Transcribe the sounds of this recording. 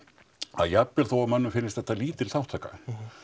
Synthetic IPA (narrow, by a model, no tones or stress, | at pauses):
aðjapːɛɾ̥θowavmœnːʏmfɪnːɪst̪θɛht̪ːaliːt̪ɪlθawht̪ʰaːka̰